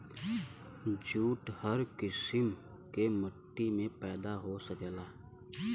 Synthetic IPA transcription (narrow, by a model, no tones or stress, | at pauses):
d͡ʒuːʈhəɾkɪsɪm | keməʈːimẽpɛːd̪aɦosəɡəlaː